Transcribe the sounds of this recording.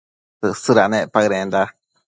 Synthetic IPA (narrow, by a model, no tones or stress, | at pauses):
t̪ɨʔsɨɾanẽpaɾẽnd̪a